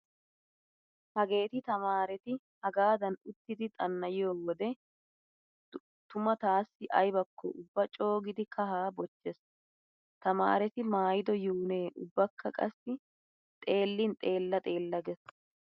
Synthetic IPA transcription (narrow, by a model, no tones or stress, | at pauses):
hɐɡe̞ːt̪ɪt̪ɐmaːɾɛt̪ɪ | hɐɡaːd̪ɐnʊt̪ːɪd̪ɪt̪ʼɐnːɐjɪjoːwɔd̪ɛ | t̪ʊmɐt̪aːsːɪʔɐjbɐkːɔ̰ʊbːɐt͡ʃʼo̞ːɡɪd̪ɪkʰɐɦaːbɔt͡ʃːɛs | t̪ɐma̰ːɾɛt̪ɪmaːjɪd̪ɔjuːneːʔʊbːɐkʰːɐkʼɐ̰sːɪ | t̪ʼe̞ːlːɪnt̪ʼe̞ːlːɐt̪ʼe̞ːlːɐɡɛs